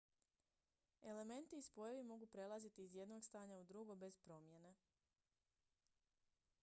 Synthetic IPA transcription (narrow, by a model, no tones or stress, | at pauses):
e̞le̞me̞nt̪iːspo̞jeʋimo̞ɡupɾe̞lˠazit̪iːzje̞d̪no̞ɡst̪aːɲaud̪ɾuɡo̞be̞spɾo̞mje̞ne